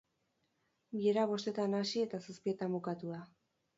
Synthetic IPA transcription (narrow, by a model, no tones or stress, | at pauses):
ɡieɾaβo̞st̪e̞t̪anasie̞t̪asuspie̞t̪ambukat̪uða